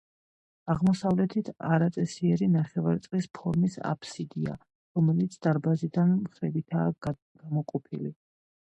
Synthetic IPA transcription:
aʁmɔsavlɛt̪ʰit̪ʰaɾat̪sʼɛsiɛɾinaχɛvaɾt̪sʼqʼlispʰɔɾmisa̰pʰsid̪ia̰ | ɾɔmɛlit̪sʰd̪̥aɾbazid̪anmχɾɛbit̪ʰaː | ɡ̥amɔqʼɔpʰili

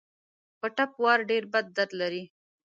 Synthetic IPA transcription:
pəʈapwɑːɾɖeɾbad̪̚ːaɾd̪laɾi

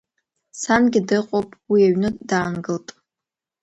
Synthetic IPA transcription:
sanɡʲɪdɨqʷʼowpʼwiaɥnɨdaːnɡɨltʼ

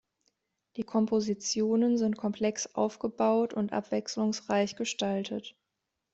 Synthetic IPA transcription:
d̥iːkʰɔmpʰozit͡sjoːnənzɪntkʰɔmpʰl̥ɛksʔa̰ʊfɡ̥əbaʊtʊntʔa̰pv̥ɛkslʊŋsʁaɪçɡ̥əʃtaltʰət

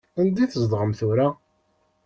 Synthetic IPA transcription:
ænd̪iθəzd̪ˤʁəmθuɾa

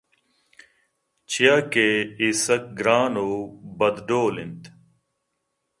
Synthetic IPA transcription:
t͡ɕʰijaːkeːisək̚ɡɾaːnoːbəd̪ɖoːlɪnt̪

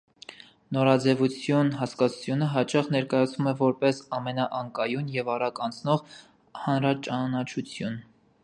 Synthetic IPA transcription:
nɔɾɑd͡zɛvut͡sʰjunɦɑskɑt͡sʰu̥t͡sʰjunəɦɑt͡ʃɑχnɛɾkɑjɑt͡sʰnumɛvɔɾpɛsɑmɛnɑʔɑŋkɑjunjɛvɑɾɑkɑnt͡sʰnɔʁ | hɑnɾɑt͡ʃɑnɑt͡ʃʰut͡sʰjun

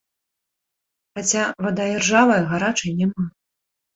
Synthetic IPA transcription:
xat͡sʲavad̪ad͡zʲɛrʐavɐjɐɣaɾat͡ʂɐjnʲɛma

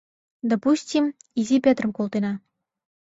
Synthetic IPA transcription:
d̪opusʲtʲimizʲipʲøt̪rəmkolˠt̪enɑ

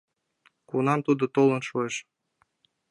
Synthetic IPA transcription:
kunɑmt̪ud̪ŏt̪olˠɤ̆nʃueʃ

